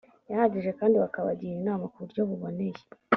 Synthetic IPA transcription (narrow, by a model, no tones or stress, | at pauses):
jahaɟiʒekaːndiβakaβaɟiɾinaːmakuɾɟoβuβoneje̥